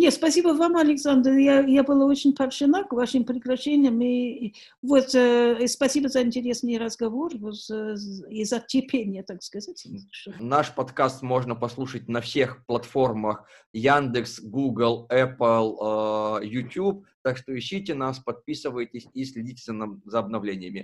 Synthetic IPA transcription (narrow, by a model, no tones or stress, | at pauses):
nʲetspɐsʲibəvamɐlʲɪksand̪ɾjajabɨlˠaot͡ɕɪnʲpʰɐɾʂɨnakvaʂɨmpɾʲɪkɾɐɕenʲɪjəmi | vot̪spɐsʲibəzɐɪnʲtʲɪɾʲesnɨjrɐzɡɐvorvot̪ | izɐtʲɪpʲʰenʲɪjət̪akskɐzatʲmʲizʂənaʂpɐt̪kast̪mo̞ʐnəpɐslˠuʂət̚ʲnɐfsʲe̞xplˠɐt̪fo̞rməx | jand̪ɨksɡuɡlˠɛpəlˠ | jʊtʲup̚t̪akʂt̪oɪɕːitʲɪnaspɐt̪̚pʲisɨvəjɪtʲɪsʲisʲlʲɪdʲitʲɪzʲənɐzɐɐbnɐvlʲenʲɪjəmʲɪ